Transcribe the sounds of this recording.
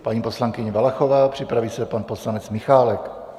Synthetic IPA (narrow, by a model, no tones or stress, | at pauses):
paɲiːpo̞slaŋkɪɲɛvalaxovaːpr̝̥ɪpɾaviːsɛpanpo̞slanɛt͡smɪxaːlɛk